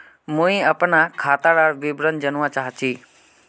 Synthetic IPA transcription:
mũĩəpnakʰat̪aɽaɾʋibɾənd͡ʒənʋãt͡ʃaɦt͡ʃʰi

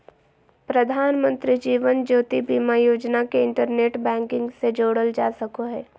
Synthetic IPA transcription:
pɾəd̪ʱaːnmə̃nt̪ɾid͡ʒiːʋənd͡ʒoːt̪ibiːmajoːd͡ʒnakeɪ̃ɳʈəɾneːʈbɛ̃ːŋkɪ̃ŋɡsed͡ʒoːɽəld͡ʒaːsəkoɦɛː

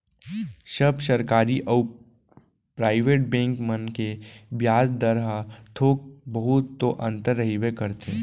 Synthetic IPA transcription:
ʃɐbʃɐɾkaːɾiʔɔː | pɾaːɪʋeːʈ̚bɛ̃ːŋkmənkebʱjaːsd̪ɐɾɦat̪ʰoːk̚bɐɦʊt̪ːoʔɐ̃nt̪əɾːɐɦibekɐɾt̪ʰẽː

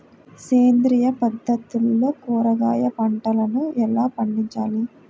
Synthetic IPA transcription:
seːnd̪ɾijɐpɐd̪ʱːɐt̪ulːoːkuːɾɐɡa̰ːjɐpɐɳʈɐlɐnuʔɛlaːpɐɳɖiɲt͡ʃaːli

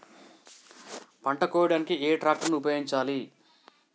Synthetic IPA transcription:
pɐɳʈɐkoːjɽɐnikieːʈɾaːk̚t̪ɐɾnuupɐɡiɲt͡ʃaːli

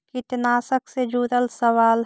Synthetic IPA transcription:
kit̪ɪnaːsəksed͡ʒuːd̪əlsɐʋaːl

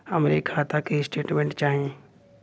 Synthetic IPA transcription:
əmɾekʰaːt̪akeɪsʈeːʈmẽɳʈt͡ʃaːɦẽː

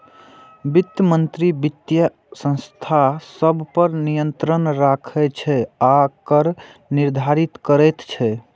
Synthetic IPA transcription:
bit̪jəmənt̪ɾibit̪jə | sə̃st̪ʰasəbʱpəɾnijənt̪ɾənɾakʰɛt͡ʃʰɛakəɾniɾd̪ʱaɾit̪kəɾɛt̪t͡ʃʰɛ

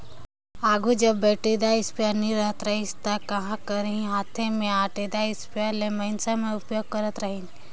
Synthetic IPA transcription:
aːɡʱud͡ʒɐbːeʈid̪aispjaniɾəɦət̪ɾəɦist̪akɐɦãkəɾĩɦaːt̪ʰemẽaːʈid̪aispijalemɐɪnsamẽupjoːɡ̚kəɾət̪ɾəɦin

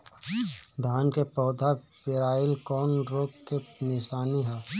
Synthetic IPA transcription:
d̪ʱaːnkepɔːd̪ʱapeɾaːɪlkɔːnɾoːkkemesaːniɦaː

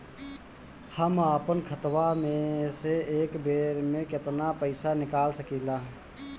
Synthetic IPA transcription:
həmaːpənkʰət̪wamẽseeːkbeːɾmẽkɪt̪napəɪsanɪkaːlsəkiːlaː

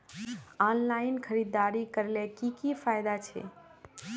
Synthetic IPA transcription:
anlaɪnkʰəɾid̪ːaɾikəɾlekikifʰajd̪at͡ʃʰɛ̰

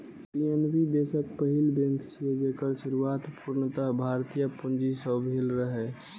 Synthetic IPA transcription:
piɛnbid̪eːsək̚pəɦɪlbẽŋksied͡ʒekəɾʃʊɾuaːt̪puːɾnət̪əɦbʱaɾt̪ijəpund͡ʒisəbʱelɾəɦɛ

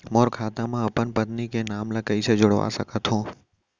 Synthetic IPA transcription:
moːɾkʰaːt̪ãmãɐpənpət̪nikenaːmlakɐised͡ʒʊɽʋa̰səkət̪ɦũː

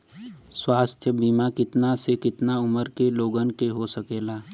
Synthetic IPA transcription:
swaːst̪ʰjəbiːmakɪt̪nasekɪt̪naʊməɾkeloːɡənkeɦosəkeːlaː

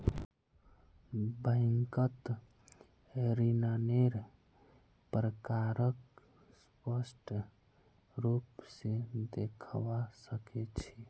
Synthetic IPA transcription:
bəɪŋkət̪ | eɾinaneɾ | pɾəkaɾək | spəsʈ | ɾupsed̪ekʰwasəket͡ʃʰi

